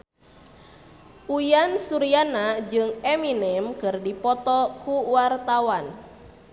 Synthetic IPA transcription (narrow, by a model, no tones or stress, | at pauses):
ʔujansuɾianad͡ʒɨŋɛminɛmkɨrdipɔt̪ɔkʰuwart̪awan